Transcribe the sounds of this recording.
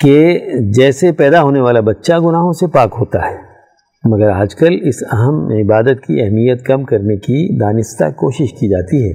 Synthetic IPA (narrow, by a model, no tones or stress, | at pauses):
ked͡ʒɛːsepɛːd̪aɦoːneʋaːlabɐtːʃaɡʊnaːɦõsepaːkɦoːt̪a̰ɦɛː | mɐɡəɾɦɐd͡ʒkəlɪsɐɦəmɪbaːd̪ət̪̚kiɛɦmijət̪kɐmkɐɾnekid̪aːnɪst̪a̰koːʃɪʃkid͡ʒaːt̪iɦɛː